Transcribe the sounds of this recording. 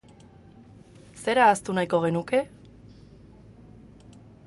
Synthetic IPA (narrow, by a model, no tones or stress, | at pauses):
se̞ɾaːst̪unajko̞ɣ̞e̞nuke̞